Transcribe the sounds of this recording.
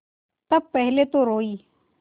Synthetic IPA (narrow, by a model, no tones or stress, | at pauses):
t̪ɐb̚pɛɦlet̪oɾoːiː